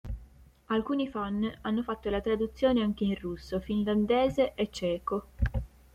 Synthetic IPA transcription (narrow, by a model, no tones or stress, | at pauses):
alkuːnifanːanːofat̪ːolat̪ɾad̪ut̪sːjoːneaŋk̟eirusːofinland̪eːzeʔet͡ʃːɛːko